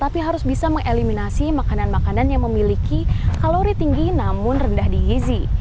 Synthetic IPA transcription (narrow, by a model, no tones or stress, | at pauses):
t̪apiɦaɾʊsbisaməŋʔeliminasimakananmakananjaŋməmilikikaloɾit̪iŋɡinamʊnrəndahdiɡizi